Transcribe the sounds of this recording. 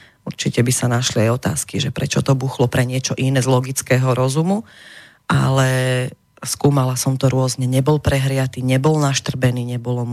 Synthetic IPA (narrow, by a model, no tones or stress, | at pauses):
uɾt͡ʃicɛbisanaʃliajɔt̪a̰ːskiʒɛpɾɛ̰t͡ʃɔt̪ɔbuːxlɔpɾɛɲɪɛt͡ʃɔʔinɛzlɔɡit͡skɛːɦɔɾɔzumu | ʔa̰lɛ | skuːmalasɔmt̪ɔɾʊɔzɲɛɲɛbɔlpɾɛɦɾɪat̪iːɲɛbɔlnaʃt̪r̩bɛniːɲɛbɔlɔm